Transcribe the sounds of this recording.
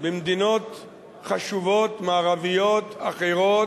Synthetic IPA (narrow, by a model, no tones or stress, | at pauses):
bemd̪ino̞t̪ | χaʃuvo̞t̪maːʁavijot̪aχeʁo̞